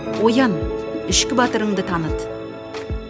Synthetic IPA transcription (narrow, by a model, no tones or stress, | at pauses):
wo̞jɑnɪʃkʲɪbɑt̪əɾəɴd̪ət̪ʰɑnət̪